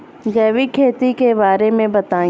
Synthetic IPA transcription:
ɡɛːʋikʰeːt̪ikebaːɾemẽbɐt̪ãː

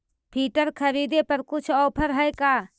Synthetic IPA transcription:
pʰiːʈəɾkʰəɾiːd̪epəɾkʊt͡ʃʰɔːpʰəɾɦɛjkaː

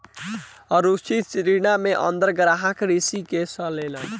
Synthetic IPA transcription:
ʌɾusit͡ʃɾinameʔʌ̰nd̪əɾɡəɾaɦakɾisikesʌlelʌ

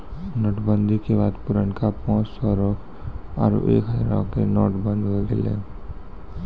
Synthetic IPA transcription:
nɔːʈbənd̪ʱikebaːd̪pʊɾəɳkapãːt͡ʃsɔɾɔkʰ | a̰ɾṵʔḛːkɦəɾã̰kenɔʈbə̃nd̪ɦoɡḛlḛ

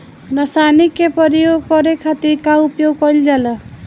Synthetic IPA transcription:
nasanikepɔɾijoɡkɔɾekʰat̪iɾkaupjoɡkɔjld͡ʒala

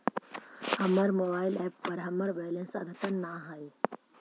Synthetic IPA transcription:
hɐmɐɾmoːbaːɪlɛːppɐɾɦɐmɐɾʋɛːlẽnsɐd̪ʱɐt̪ənːaɦai

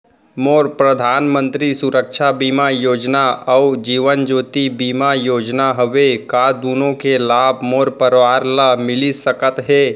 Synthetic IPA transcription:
moːɾpɾəd̪ʱaːnmə̃nt̪ɾisʊɾəkʃʰabiːmajoːd͡ʒnaɐd͡ʒiːʋənd͡ʒoːt̪ibiːmajoːd͡ʒnaɦəʋekad̪uːnõkelaːbʱmoːɾpəɾʋaːɾləmɪlisəkət̪ɦɛː

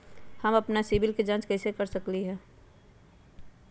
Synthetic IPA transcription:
hɐmɐpnasibɪlked͡ʒãt͡ʃkɐɪsekɐɾsəkliɦɛ̃ː

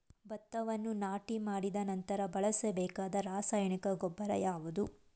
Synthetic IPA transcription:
bɐt̪ːɐʋɐnːunaːʈimaːɽid̪ɐnɐnt̪ɐɾɐbɐɭɐsebɛːkaːd̪ɐɾaːsaːjɐɳikɐɡɔbːɐɾɐjaːʋud̪u

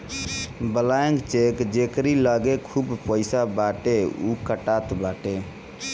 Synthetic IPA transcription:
bəlaẽŋɡt͡ʃekd͡ʒekɾiləɡekʰuːbpəɪsabaʈeṵkəʈat̪baʈe

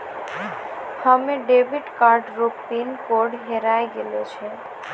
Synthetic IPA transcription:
hameɖebʱiɖkaɾɖɾopinkoɾɖɦeɾaeɡelet͡ɕʰen

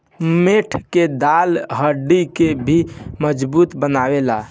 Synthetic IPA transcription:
meʈʰked̪alɦəɖikebʱiməd͡ʒbut̪bənawela

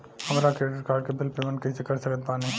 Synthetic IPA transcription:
hɐmɾakɾeʈɾɪkaːɾɖ̚kebɪlpeːmə̃nʈkɐɦisekɐɾsəkət̪̚paːni

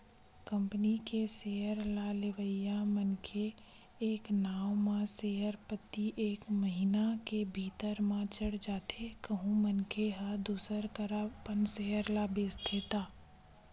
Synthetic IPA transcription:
kə̃mpnikeseːɦəɾlalɪʋəjamənkʰe | eːknaːwmãseːɦəɾpət̪ːiʔeːkməɦinakebʱiːt̪əɾmãt͡ʃəɽd͡ʒaːt̪ʰekəɦũmənkʰeɦəd̪uːsəɾkəɾapənseɦəɾlaːbeːst̪ʰeːt̪aː

